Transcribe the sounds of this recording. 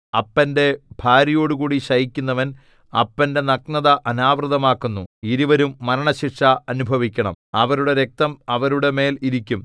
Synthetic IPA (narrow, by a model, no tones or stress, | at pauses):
ɐpːɐnde̞bʱaːɾijo̞ːɽukuːɽiɕɐjikʲːunːɐʋɐn | ɐ̰pːɐnde̞nɐknɐðɐʔɐnaːʋrɨðɐmaːkːunːuiɾiʋɐɾumːɐɾɐɳɐɕiʂɐɐnubʱɐʋikʲːɐɳɐ̰mɐʋɐɾuɽe̞ɾe̞k̚t̪ɐmɐʋɐɾuɽe̞me̞ːliɾikʲːum